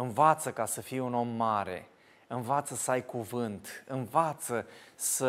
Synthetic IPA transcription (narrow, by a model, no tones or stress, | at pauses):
ɨnvat̪səkasəfijuno̞mːaɾe̞̰ | ɨnvat̪səsəajkuvɨnt̪ɨnvat̪səsə